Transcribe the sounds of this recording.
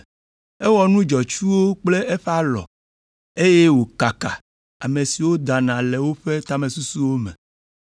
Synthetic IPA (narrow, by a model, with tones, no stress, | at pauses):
ɛ˦wɔ˨nũ˦d͡ʒɔ˨t͡ʃu˦wo˦k͡ple˦e˦ɸɛ˦a˦lɔ̰˨ | e˦je˦wo˨ka˨ka˨ | a̰˨mẽ˨si˨wo˦d̪a˨nã˨le˨wo˦ɸe˦t̪a˦mẽ˨su˦su˦wo˦mɛ̰̃˨